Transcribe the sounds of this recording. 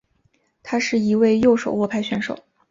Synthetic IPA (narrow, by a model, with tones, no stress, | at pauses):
t̪ʰa˥ʂɻ̩˥˩i˧˥we˥˧ɪjo˥˩ʊʂo˨˩ʊwɔ˥˧pʰa˥˧ɪɕɥɛ˧˥nʂo˨˩˦ʊ